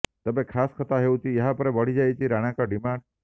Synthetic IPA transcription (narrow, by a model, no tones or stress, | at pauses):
t̪ɔbekʰaskʰɔt̪aɦewt͡ʃʰieɦapɔɾebɔɽ̤id͡ʒajt͡ʃʰiɾaɽ̃ãkɔɖimãɳɖ